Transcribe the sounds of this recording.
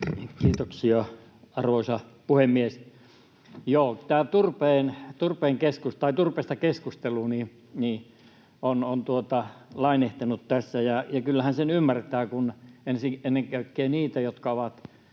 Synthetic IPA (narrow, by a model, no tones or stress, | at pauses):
ikiːt̪oksiɑ | ɑrʋoisɑpuhemːies | joːt̪æːt̪urpeːnt̪urpeːŋkeskust̪ɑit̪urpeːst̪ɑkeskust̪eluni | ni | onont̪uot̪ɑlɑineht̪enut̪t̪æsːæjɑjɑkylːæhænsenymːært̪æːkunensienːeŋkækːeːniːt̪æjot̪kɑoʋɑt̪